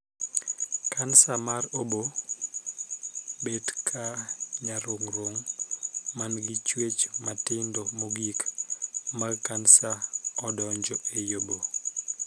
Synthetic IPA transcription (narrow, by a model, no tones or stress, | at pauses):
kansamaɾobo | bedkʰaɲaɾoŋɾoŋ | manɡit͡ʃwet͡ʃmatɪndomoɡik | maɡkansaɔdɔɲd͡ʒɔejobo